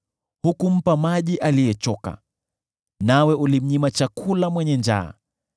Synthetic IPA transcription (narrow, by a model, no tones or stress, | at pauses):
hukum̩pamaʄiʔalijɛt͡ʃɔka̰ | nawɛulim̩ɲimat͡ʃakʰulamwɛɲɛnd͡ʒa̰ː